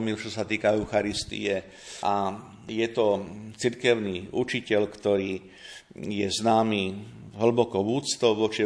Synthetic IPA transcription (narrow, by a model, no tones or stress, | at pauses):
milt͡ʃɔsat̪iːkaɛʊxaɾist̪ḭjɛ | ʔa | jɛt̪ɔt͡siɾkɛʊniːʔut͡ʃicɛʎkt̪ɔɾiː | jɛznaːmiː | ɦl̩bɔkɔʋuːt͡st̪ɔʊʋɔt͡ʃi